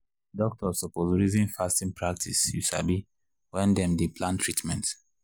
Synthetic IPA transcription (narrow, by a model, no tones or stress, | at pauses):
dɔk̚tʰɔsɔpozɹizĩnfastĩnpʰɹak̚tʰisjṵsa̰bi | wɛ̃ndɛ̃mdeplãntʰɹitmɛ̃nt